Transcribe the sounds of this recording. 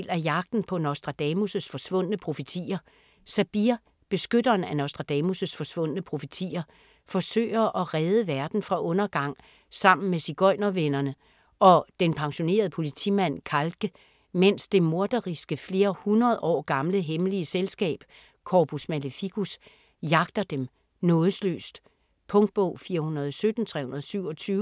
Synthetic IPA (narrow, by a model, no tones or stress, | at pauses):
læjɑ̈ɡ̥̚d̥n̩pʰɒ̽nɒʊsd̥ʁɑ̈d̥ɛmusəsfɒ̽sʋɔ̽n̰ənəpʰʁo̝fit͡sʰḭːɐ | sæb̥iɐ | b̥e̝sɡ̥ød̥ɐːn̩ænɒʊsd̥ʁɑ̈d̥ɛːmusəsfɒ̽sʋɔ̽n̰ənəpʰʁo̝ft͡sʰḭːɐ | fɒ̽sø̰ːɪɐʔɒ̽ʁɛð̞ˠəʋæɐd̥n̩fʁɑ̈ʔɔ̽nɐɡ̥ɑ̈ŋ̰ | sɑ̈m̰n̩mesiɡ̥ɒ̽ɪnɐʋenɐnə | ʔɒ̽d̥enpʰɑ̈ŋɕo̝ne̝̰ːɐð̞̩ˠpʰo̝lit͡sʰḭmæn̰kʰælɡ̥ə | men̰sd̥e̝mo̝ɐd̥ɐʁisɡ̥əfle̝ːɐhunɐð̩ˠɒ̰ːɡ̥ɑ̈mləɦeməliəselsɡ̥ɛ̰ːb̥ | kʰɒːpʰusmæləfiɡ̥us | jɑ̈ɡ̥̚d̥ɐd̥em | nɔ̽ːðˠəslø̰ːsd̥ | pʰɔ̽ŋd̥̚b̥ɔʊ̰fiːɐhunɐðˠɒsød̥n̩t͡sʰʁɛ̰ːhunɐð̞̩ˠsyʊ̰ɒ̽t͡sʰyːʊ